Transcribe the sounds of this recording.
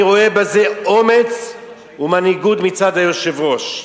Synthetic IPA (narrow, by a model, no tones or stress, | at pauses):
ʁo̞ebaze̞ome̞t͡s | umaniɡut̪mit͡sad̪hajoʃevʁo̞ʃ